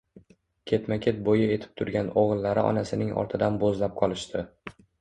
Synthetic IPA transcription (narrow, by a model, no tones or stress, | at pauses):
kʲʰe̞t̪makʲʰe̞t̪̚bojɪe̞t̪ʰɪ̥p̚t̪ʰʊɾɡʲanoʁɨlˠːaɾɪʔɒ̰nasɪnɪŋɒ̰ɾt̪ʰɪd̪anbozlap̚qʰɒlˠɪʃt̪ʰɪ